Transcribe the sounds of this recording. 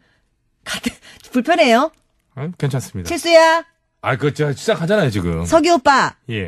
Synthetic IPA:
katpuɭpʰjʌne̞jo | akent͡ɕʰoans͈ɯmɲidat͡ɕʰiɭs͈uja | akɯʌt͡ɕʌt͡ɕʰu̥t͡ɕakhad͡ʑanajot͡ɕiɡɯ̰msʰʌɡiop͈aje

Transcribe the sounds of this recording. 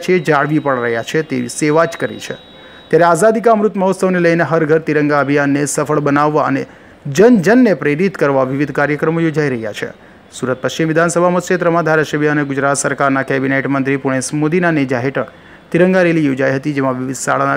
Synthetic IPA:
t͡ʃʰied͡ʒaɭʋipəɭɾəɦjat͡ʃʰet̪eʋiseʋat͡ʃkəɾḭt͡ʃʰḛ | t̪jaɾeazad̪ikamɾut̪məɦot̪səʋneləjneɦəɾɡʱəɾt̪iɾə̃ŋɡaəbʱijanːesəfʰəɭbənaʋːaəne | d͡ʒənd͡ʒənːepɾeɾit̪kəɾʋaʋiʋid̪ʱkaɾjəkɾəmojod͡ʒaiɾəɦja̰t͡ʃʰḛ | suɾət̪̚pəkt͡ʃimʋɪd̪ʱansəbʱamət̪ʃet̪ɾəmãd̪ʱaɾaʃəbʱjəəneɡʊd͡ʒɾat̪səɾkaɾnakɛbineʈmənt̪ɾipuɽ̃esmod̪inaned͡ʒaɦeʈək | t̪iɾəŋɡaɾelijod͡ʒajɦət̪id͡ʒemãʋiʋid̪ʱsa̰ɭana

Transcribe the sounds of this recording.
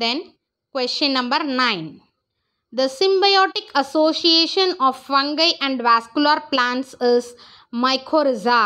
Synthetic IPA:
d̪ɛ̃n | kwest͡ʃə̃nːɐ̃mbəɾnãɪ̃n | d̪əsɪ̃mbajɔːʈɪkʰɐsoːsieːʃə̃nɔːʋʋɐ̃ŋɡəɪʔæ̃ɳɖʋæskulaɾplãːɳʈsɪz | maɪkʰoːɾɪzaː

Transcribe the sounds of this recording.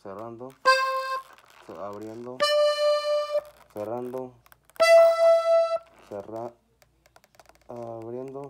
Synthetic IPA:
serand̪o | sḛaβɾjend̪o | serand̪o | sera | aβɾjend̪o

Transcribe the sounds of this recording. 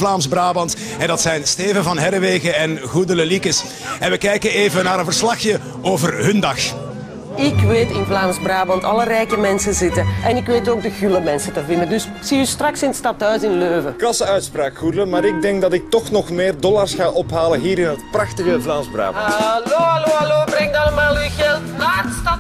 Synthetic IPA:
vlaːmzbraːbɑnt | ɛndɑtsɛjnsteːvənvɑnɦɛɾʋeːɣəɛnɣudələlikəs | ɛnʋəkɛjkəneːvənaːɾənvərslɑxjə | oːvərɦɵndɑx | ɪkʋeːtɪnvlaːmzbraːbɑntɑ̰lərɛjkəmɛnsənzɪtəʔɛnɪkʋeːtoːɡ̚dəɣyləmɛnsətəvɪndəndɵs | z̥iːystrɑksɪnətstɑtɦœɥsɪnløːvəkɑsəœɥtspraːkxudələnmaːɾɪɡ̚dɛŋk̚dɑtɪk̚tɔxnɔxmeːrdɔlarsxaːʔɔpɦaːlənɦiːɾɪnɦətprɑxtəɣəvlaːmzbra̰ːbloɑloːɑloːbrɛŋtɑləmaːlˠyɣɛlˠtnaːstɑt

